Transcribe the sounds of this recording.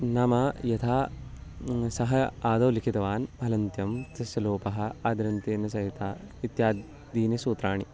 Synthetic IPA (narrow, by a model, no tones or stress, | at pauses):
nɐmɐjɐt̪ʰaː | sɐɦɐaːd̪ɐːlikʰit̪ɐʋaːnbʱɐlɐnt̪jɐmt̪ɐsʋɐloːpɐɦɐ̆aːd̪ɐɾɐnt̪eːnɐs̬ɐɦit̪aːit̪jaːd̪ | d̪iːnɐsuːt̪ɾaːɳi